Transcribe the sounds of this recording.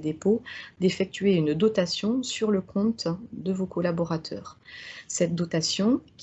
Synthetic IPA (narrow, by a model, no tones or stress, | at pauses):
d̪epod̪efɛk̚t̪ɥeynd̪ɔt̪asjɔ̃syʁləkʰɔ̃t̪d̪əvokɔlabɔʁat̪ʰœ̰ːʁsɛt̪̚d̪ɔt̪asjɔ̃kʲ